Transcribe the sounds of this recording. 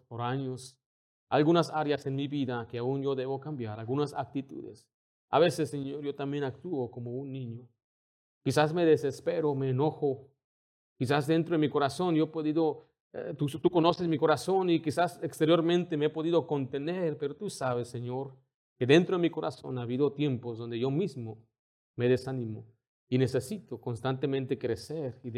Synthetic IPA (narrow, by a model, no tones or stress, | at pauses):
poɾaɲos | a̰lɣunasaɾjasenmiβiðakeaunʝo̞ðeβokambjaɾalɡunasa̰k̚t̪it̪ṵðḛs | a̰βe̞sesːeɲo̞ɾjot̪ambjenak̚t̪uokomounːĩɲo | kisasme̞ðesespeɾomeːnoxo | kis̬azðe̞nt̪ɾo̞ðemiko̞ɾaso̞njoepoðiðo | t̪ust̪uko̞no̞sesmiko̞ɾasonikisasekst̪eɾjo̞ɾmẽnt̪emeepo̞ðiðoko̞nt̪e̞neɾpe̞ɾot̪usaβesːeɲo̞ɾ | keðe̞nt̪ɾoðemiko̞ɾa̰so̞̰naːβiðo̞t̪je̞mpozðo̞nd̪eʝo̞mizmo | me̞ðesanĩmo | ine̞se̞sit̪okonst̪ant̪emẽnt̪ekɾeseɾi